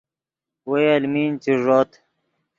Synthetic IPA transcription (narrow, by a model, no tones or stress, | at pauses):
wejɐlmiːnt͡siʐoːt̪